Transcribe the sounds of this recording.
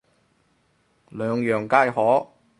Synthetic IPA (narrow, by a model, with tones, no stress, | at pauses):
lœː˨˧ŋjœː˨˩ŋkaː˥jhɔː˨˥